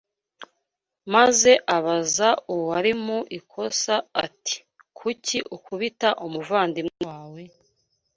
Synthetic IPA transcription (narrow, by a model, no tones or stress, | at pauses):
maze̞ʔaβazauwhaɾimuʔikʰo̞saːti̥ | kʰuciʔukuβitaʔomuvaːndimawe